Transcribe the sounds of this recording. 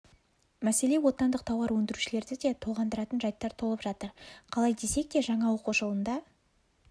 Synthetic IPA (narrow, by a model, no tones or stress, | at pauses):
mæse̞le̞wo̞t̪ɑnd̪əq̚t̪ʰɑwɑɾwɵnd̪ɪɾuʃɪle̞ɾd̪ɪd̪e̞t̪ʰo̞ʁɑnd̪əɾɑt̪ənʒɑjt̪ːɑɾt̪ʰo̞lˠəpʒɑt̪əɾqʰɑlˠɑjd̪e̞se̞k̚d̪e̞ʒɑɴɑwo̞quʒolˠənd̪ɑ